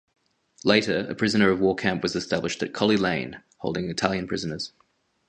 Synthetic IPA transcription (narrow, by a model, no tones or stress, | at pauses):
leɪɾəɹə̰pʰɹ̥ɪzə̃nəɹəvwɔːkʰæ̃mpwɒzɨstæblɪʃtət̚kʰɒlˠilẽɪ̃n | hɒʊlˠdɪ̃ŋɪtʰælˠjə̃npʰɹ̥ɪzənəz̥